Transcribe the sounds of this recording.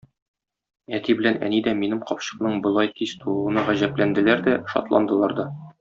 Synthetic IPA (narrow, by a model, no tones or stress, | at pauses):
æt̪ibɘ̆lænæ̰nid̪æminɘmqɒpɕɤ̥̆qnɤɴbŏlˠɑjkist̪ulˠuɤ̆nɑʁæʑæplænd̪ɘ̆læɾd̪æʃɒ̰t̪lˠɑ̰nd̪ɤ̆lˠɑɾd̪ɒ